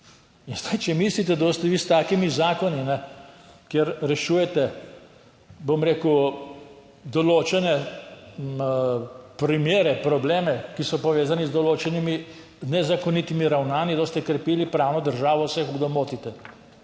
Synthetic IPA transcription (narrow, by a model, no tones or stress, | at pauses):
inzd̪ejt͡ʃɛmislit̪̬ɛd̪ost̪ɛʋiːst̪aːkimizaːkɔninɛkjɛɾɾɛʃuːjɛt̪ɛ | bomɾeːku | d̪ɔloːt͡ʃɛnɛ | pɾimjeːɾɛpɾɔbleːmɛkisɔpɔʋeːzanizd̪ɔloːt͡ʃɛnimi | nɛzakɔnit̪imiɾawnaːnid̪ɔst̪ɛkɾɛpiːlipɾaːwnɔd̪əɾʒaːʋɔwsɛxuɡd̪ɔmoːt̪it̪ɛ